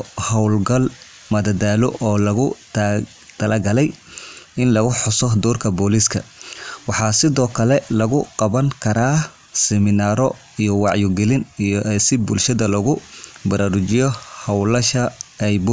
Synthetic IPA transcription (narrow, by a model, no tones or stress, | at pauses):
hɐwlɡɐl | mɐd̪ɐd̪aːlɔʔɔːlɐɣʊ | t̪ʰɐlaːɡɐlɛjɪnlɐɣʊħʊsɔd̪ɔːrkʰɐbɔːliskʰɐ̰wɑħɑːsɪðɔːkʰɐlɛlɐɣʊqɑβɐŋkʰɐɾaː | sɛmɪnaːɾɔ | ijɔwɑʕjɔɡɛlɪnijɔʔɛsɪbʊlʃɐðɐlɐɣʊbɐɾaːɾʊt͡ʃɪjɔhɐwlɐʃɐɛjbʊ